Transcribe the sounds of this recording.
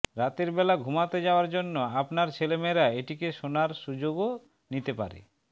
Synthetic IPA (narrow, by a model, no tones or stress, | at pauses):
ɾat̪eɾbɛlaɡʱumat̪ed͡ʑaoaɾd͡ʑonːoapnaɾt͡ɕʰelemeɾaeʈikeʃonaɾʃud͡ʑoɡo | nit̪epa̰ɾḛ